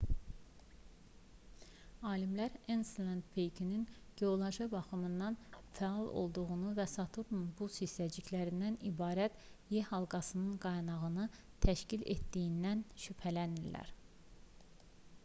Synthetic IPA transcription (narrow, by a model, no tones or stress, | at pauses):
ɑːlimlæɾenslˠænd̪pʰejkʰininɟ̥eolˠɑʒɑbɑχɯmɯnd̪ɑnfæɑlˠo̞̰lˠd̪uʁunuvæsɑt̪ʰuɾnunbusislæd͡ʒiclæɾind̪ænibɑːɾæt̪jehɑlˠɡɑsɯnɯnɡɑjnɑɣɯnɯ | t̪ʰæʃcilḛt̪d̪ijind̪ænʃypʰælæniɾlæ̰ɾ